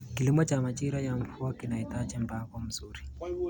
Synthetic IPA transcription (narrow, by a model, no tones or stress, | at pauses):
kilimɔt͡ʃamat͡ʃiɾajaɱ̩fuɔkinaitat͡ʃɛmbaɡɔm̩zuɾi